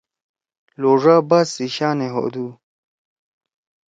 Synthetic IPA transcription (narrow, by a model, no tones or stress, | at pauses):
loːʐaːbasiɕaːneɦo̰d̪u